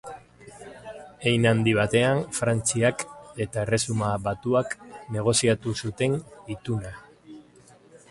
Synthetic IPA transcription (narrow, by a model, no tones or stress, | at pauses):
e̞jnand̪iβ̞at̪e̞anfɾant͡siake̞t̪ae̞re̞sumaβat̪uakne̞ɣ̞o̞siat̪usut̪e̞nit̪una